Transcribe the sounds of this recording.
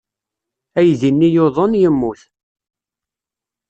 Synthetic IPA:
æjðinːijoðˤənjəmːuθ

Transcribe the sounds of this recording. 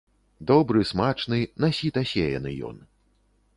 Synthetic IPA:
d̪ɔbɾɨsmat͡ʂnɨnasʲit̪asʲejɐ̰nɨ̰jɔ̰n

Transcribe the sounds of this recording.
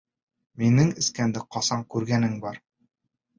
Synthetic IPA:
minɘŋɘ̆skænd̪ɘqɒsɑɴkʉɾɡænɘŋbɒɾ

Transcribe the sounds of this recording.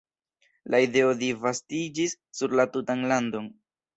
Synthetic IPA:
lʔaide̞o̞divastid͡ʒisːuɾlatutanlando̞n

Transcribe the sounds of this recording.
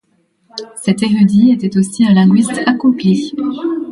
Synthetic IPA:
sɛt̪eʁyd̪iet̪ɛt̪osiɛ̃lɛ̃ɡɥist̪akopli

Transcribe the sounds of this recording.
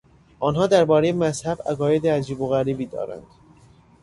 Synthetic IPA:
ʔɒːnɦɒːd̪æɾbɒːɾejemæzhæbæ̰ɣɒːje̞d̪eæd͡ʒiːboɣæɾiːbiːd̪ɒ̰ːɾæ̰nd̪̥

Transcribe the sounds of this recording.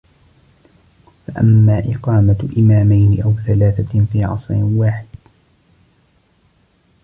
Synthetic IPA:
faʔa̰mːaːʔɪqɑːmaʔɪmaːmajnɪʔawθalaːθafiːʕɑ̰sˤɾɪwaːħɪd̪̥̚

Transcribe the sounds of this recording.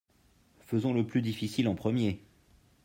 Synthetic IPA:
fəzɔ̃ləplyd̪ifisilɑ̃pχəmje

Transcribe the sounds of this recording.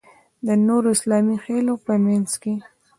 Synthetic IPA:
d̪ənoɾoɪslɑmixelopəmanzke

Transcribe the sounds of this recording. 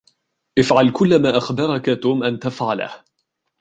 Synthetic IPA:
ʔɪfʕalkʊlːamaːʔaxbɑɾˤɑkat̪uːmʔant̪afʕala̰h

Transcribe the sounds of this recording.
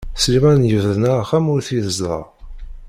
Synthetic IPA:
slimænjəvðnææχæmʊɾθiðəzˤɑ̰

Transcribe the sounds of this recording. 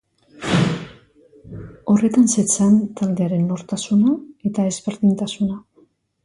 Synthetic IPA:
o̞re̞t̪anset͡sant̪ald̪e̞aɾe̞nːo̞ɾt̪asunae̞t̪ae̞zβeɾðint̪asuna

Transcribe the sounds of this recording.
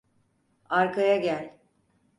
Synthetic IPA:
aɾkʰajaɟælʲ

